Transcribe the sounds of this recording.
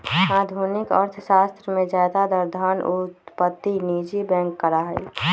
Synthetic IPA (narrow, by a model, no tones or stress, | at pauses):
aːd̪ʱunɪkə̰ɾt̪ʰəʃaːst̪ɾəmẽzaːd̪ad̪əɾd̪ʱaːnʊt̪pət̪ːinid͡ʒibɛ̃ːŋkːəɾaɦɛː